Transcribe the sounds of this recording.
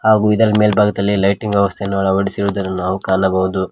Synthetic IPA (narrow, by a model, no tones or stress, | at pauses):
haːɡuːid̪ɐɾɐme̞ːlbʱaːɡɐd̪ɐlːilɐjʈiŋɡʋjɛʋɐst̪ʰeinːɐʋɭɐoɽisiɾuːd̪ɐɾunaːʋukaːnɐbɐɦud̪u